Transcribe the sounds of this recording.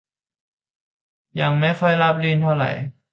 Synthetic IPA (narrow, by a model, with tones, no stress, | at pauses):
ja˨˩ŋma˥˩jxʰɔ˧˥˩jla˦˥p̚liː˧nt̪ʰa˧ɾa̰˨˩˦j